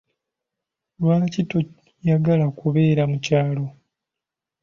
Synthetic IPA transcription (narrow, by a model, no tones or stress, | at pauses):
lwaːlacito | jaɡalakuβe̞ːɾamucaːlo̞